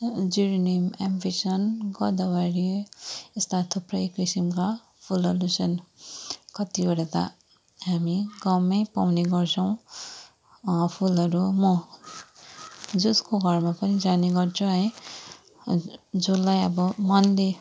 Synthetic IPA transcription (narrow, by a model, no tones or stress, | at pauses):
d͡zuɾinimampʰisʌnɡʌd̪awaɾiest̪at̪ʰoprʌekɾisimka | pʰulʌɾusʰʌn | kʌt̪ibʌɽat̪a̰ | ɦamiɡʌmʌjpawneɡʌrt͡sʰʌw̃ | pʰulʌɾumʌ | d͡zʌskoɡʱʌrmapʌnid͡zaneɡʌrt͡sʰũɦʌj | d͡zolːajʌbʌmʌnle